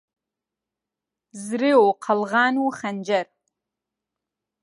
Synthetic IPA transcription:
zrɨoqʰalʁanuχand͡ʒar

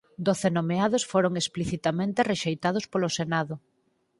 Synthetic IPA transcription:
d̪oθenomeaðosfoɾoŋespliθit̪amẽnt̪ereʃejt̪að̞ospolosenaðʊ

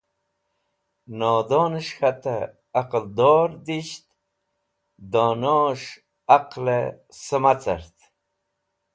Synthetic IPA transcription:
noːd̪oːnəʂxat̪ḛː | qəld̪oːɾd̪iɕt̪ | d̪oːnoʂ | aqlḛsəmat͡sə̰ɾt̪

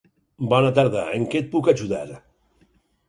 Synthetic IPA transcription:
bɔnat̪aɾða̰eŋket̪̚pukaʒuða̰ɾ

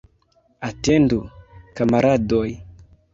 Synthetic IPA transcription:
atendukamaɾadoj

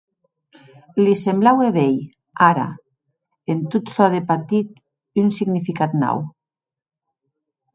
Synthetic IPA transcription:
lisemblaweβej | aɾa̰ | ent̪ut̪sɔðepat̪it̪ | ynsiɣnifikat̪nɔ̰w

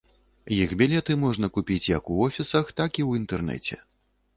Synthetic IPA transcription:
jixbʲɛlʲɛt̪ɨmɔʐnɐkupʲit͡sʲjɐkuɔfʲisɐxt̪akiwint̪ɛrnɛ̰t͡sʲɛ̰

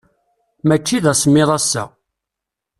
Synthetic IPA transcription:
mæt͡ʃːiðæsmːɪðˤɑsːæ̰

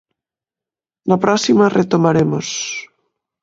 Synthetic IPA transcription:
napɾɔsimaret̪omaɾemos

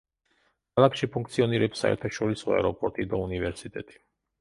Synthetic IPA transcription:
kʰalˠakʃipʰuŋk̚ʰt̪sʰiɔniɾɛpsa̰ɛ̰ɾt̪ʰaʃɔɾisɔa̰ɾɔpʼɔɾt̪ʼid̪aunivɛɾsit̪ʼɛt̪ʼi̥

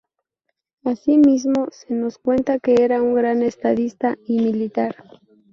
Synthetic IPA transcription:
asimis̬mose̞noskwe̞nt̪akeeɾauŋɡɾanest̪aðist̪aimilit̪aɾ

